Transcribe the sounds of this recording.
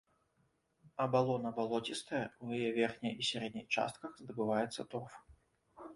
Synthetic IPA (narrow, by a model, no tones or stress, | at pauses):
ɐbalˠɔnɐbalˠɔtʲist̪ɐjɛwjajɛvʲɛrxnʲɐjisʲaɾɛd̪̚ʲnʲixt͡ʂa̰st̪̚kɐxzd̪ɐbɨvajɛt̪sːɐt̪ɔrf